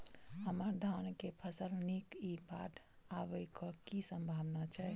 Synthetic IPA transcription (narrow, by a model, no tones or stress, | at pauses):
ɦəməɾd̪ʱankepʰəsəlnikibat̪ʰ | aβəɪkɔkisəmbʱabnat͡ʃʰɛ